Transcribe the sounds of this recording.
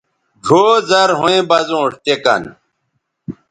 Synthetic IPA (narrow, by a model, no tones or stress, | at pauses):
ɡʱoːzɐɾɦõẽbɐzõːʂt̪ekɐ̰n